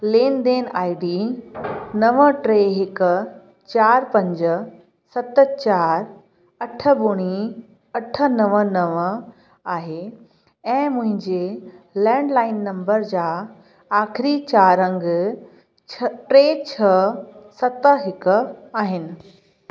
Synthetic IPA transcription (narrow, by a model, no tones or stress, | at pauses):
leːnd̪eːnaːɪɖi | nɐʋəʈɾeːɦɪk | t͡ɕaːɾpɐ̃ɲd͡ʑə | sɐt̪ə̆t͡ɕaːɾ | ɐʈʰə̆bʊɽ̃i | ɐʈʰə̆nɐʋənɐʋə | aːɦe | ɛ̃ːmʊ̃ɦɪ̃ɲd͡ʑelɛ̃ːɳɖlaːɪnːɐ̃mbəɾd͡ʑaː | aːxɪɾit͡ɕaːɾɐ̃ŋɡʰ | ʈɾeːt͡ɕʰɐsɐt̪ɦɪkʊ̆aːɦɪnɪ̆